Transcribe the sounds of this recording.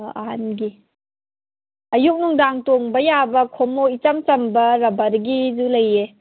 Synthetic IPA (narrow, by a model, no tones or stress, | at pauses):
ɐɦanɡi | ɐjuk̚nuŋdaŋtoŋbɐjabɐkʰomoit͡ʃɐmt͡ʃɐmbɐɾɐbɐɾɡizulɐje